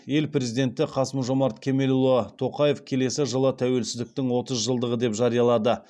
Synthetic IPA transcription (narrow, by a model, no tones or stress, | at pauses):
je̞lpɾe̞zid̪e̞nt̪ɪqʰɑsəmʒo̞mɑɾt̪kʲʰe̞me̞lulˠət̪ʰo̞qɑje̞fkʲʰe̞le̞sɪʒəlˠət̪ʰæwe̞lsɪzd̪ɪk̚t̪ɪŋwo̞t̪əzʒəlˠd̪əʁəd̪e̞pʒɑɾijɑlˠɑd̪ə